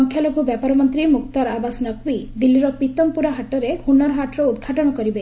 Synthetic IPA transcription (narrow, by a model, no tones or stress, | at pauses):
ɔŋkʰjaloɡʱubjapɔɾɔmɔnt̪ɾimukt̪ɔɾabasnɔkwid̪ilːiɾɔpit̪ɔmpuɾaɦaʈɔɾehunːaɾɔɦaʈɾɔud̪ɡʱaʈɔɽ̃ɔkɔɾibe